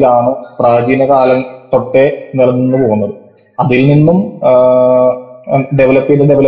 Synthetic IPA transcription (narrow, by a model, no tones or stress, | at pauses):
laːɳɨpraːd͡ʑinɐkaːlɐnt̪o̞ʈːe̞nilɐnːenːɨpo̞ːɣunːɐðɨ | ɐðilninːum | ɖe̞ʋɐlɐpːiɖɨɖeʋɐlɐ